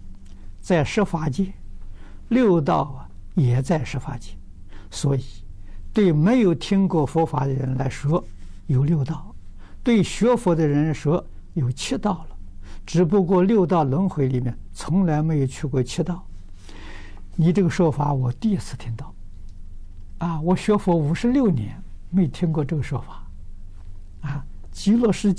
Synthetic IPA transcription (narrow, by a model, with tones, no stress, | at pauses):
t͡sa˥˩ɪʂɤ˥fa˧˥t͡ɕi˥ | ljo˥˧ʊt̪ɑ˥˩ʊɐ˩ | jɛ˨˩t͡sa˥˩ɪʂɤ˥˩fwa˧˥t͡ɕi˥ | swɔ˧˥i˨˩ | t̪we˥˩ɪme˧˥ɪjo˨˩ʊt̪ʰi˥ŋkwɔ˥˩fɔ˧˥fa˧˥d̪ə˧ɻə˧˥nla˧˥ɪʂwɔ˥ | jo˨˩ʊljo˥˧ʊt̪ɑ˥˩ʊ | t̪we˥˩ɪɕɥɛ˧˥fɔ˧˥d̪ə˧ɻə˧˥nʂwɔ˥ | jo˨˩ʊt͡ɕʰɛ˥˧t̪ɑ˥˩ʊlə˩ʈ͡ʂɻ̩˨˥p̬u˧˥kwɔ˥˧ljo˥˧ʊt̪ɑ˥˩ʊlwə˧˥nxwe˧˥ɪli˨˩mjɛ̰˥˩nt͡sʰʊ˧˥ŋla˧˥ɪme˧˥ɪjo˨˩ʊt͡ɕʰy˥˧kwɔ˥˧t͡ɕʰɛ˥˧t̪ɑ˥˩ʊ | ni˨˩ʈ͡ʂɤ˥˩ɡə˩ʂwɔ˥fa˧˥wɔ˨˩t̪i˥˧i˥t͡sʰɹ̩˥˩t̪ʰi˥ŋt̪ɑ˥˩ʊ | a˥˧˩wɔ˨˩ɕɥɛ˧˥fɔ˧˥u˧˥ʂɻ̩˥˧ljo˥˩ʊnjɛ̰˧˥nme˧˥ɪjo˨˩ʊt̪ʰi˥ŋkwɔ˥˧ʈ͡ʂɤ˥˩ɡə˩ʂwɔ˥fa˨˩˦ | a˥˧˩ | t͡ɕi˥lwɔ˥˧˩ʂɻ̩˥